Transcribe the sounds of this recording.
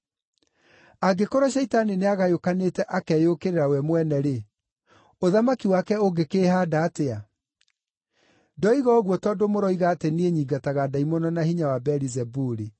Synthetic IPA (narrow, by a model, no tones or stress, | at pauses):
aɡekoɾɔɕ̬ɛitanineaɣajokanetɛʔakɛjokeɾeɾawɛmwɛnɛɾe | oðamakiwakɛoɡekeːhadaːtea | dɔiɣɔɣwɔtɔːndomoɾɔiɣatenieɲiːɡataɣadaimɔnɔnahiɲawabɛɾizɛbuɾi